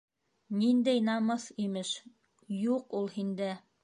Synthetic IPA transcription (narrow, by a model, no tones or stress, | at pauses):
nind̪æjnɑmɤθimɘʃ | juqulˠhind̪ɘ